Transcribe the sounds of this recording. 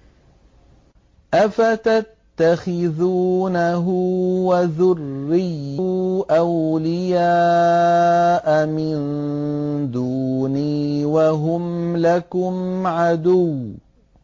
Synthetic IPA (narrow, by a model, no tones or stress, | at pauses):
ʔafat̪at̪ːaxɪðuːnaɦʊwaðʊrːɪjːʊʔawlɪjaː | ʔamɪn | d̪uːniːwaɦʊmlakʊmʕad̪ʊw